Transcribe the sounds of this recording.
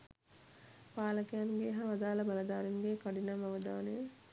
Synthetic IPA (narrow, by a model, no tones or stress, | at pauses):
paːlɐkijanɡeːɦaʋɐd̪aːlɐbɐlɐd̪aːɾinɡeːkaɖinɐmɐʋɐd̪aːnəjə